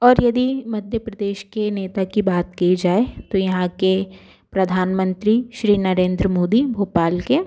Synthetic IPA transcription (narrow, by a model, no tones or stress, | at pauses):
ɔːɾjɐd̪imɐd̪ʱjəpɾɐd̪eːʃkeneːt̪akibaːt̪kid͡ʒaːet̪ojɐɦãke | pɾɐd̪ʱaːnmə̃nt̪ɾiʃɾiːnɐɾẽːnd̪ɾəmoːd̪ibʱoːpaːlke